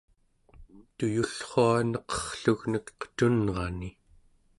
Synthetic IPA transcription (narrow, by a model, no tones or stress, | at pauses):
t̪ujuɬχoanʌqʌ̥χɬuɣnəkqə̥t̪unʁɑni